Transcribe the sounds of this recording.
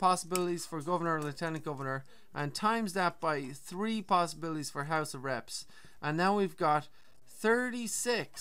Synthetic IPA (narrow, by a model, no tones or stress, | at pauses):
pʰɑsəbɪlˠəɾiz̥fə˞ɡʌvə˞nə˞lətʰɛnɨ̃ɡ̥ʌvə˞nə˞ | ʔə̃ntʰãɪ̃mzdæp̚b̥aɪθɹipʰɑsəbɪlˠəɾiz̥fə˞ɦaʊsəvɹɛps | ʔə̃nːaʊwivɡɑt̪̚ | θɜ˞ɾisɪks